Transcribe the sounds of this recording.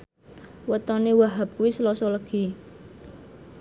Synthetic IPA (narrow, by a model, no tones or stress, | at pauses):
wət̪ɔnewaɦap̚kuwisəlɔsɔləɡ̥i̤